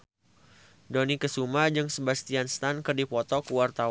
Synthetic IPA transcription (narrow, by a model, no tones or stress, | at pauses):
donikəsumad͡ʒɨŋsəbast̪ianst̪ankɨrdipɔt̪ɔkəwart̪a